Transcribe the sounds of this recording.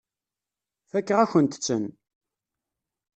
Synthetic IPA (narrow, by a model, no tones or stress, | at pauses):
θækːəʁæçənt̪ə̥t͡sːə̰n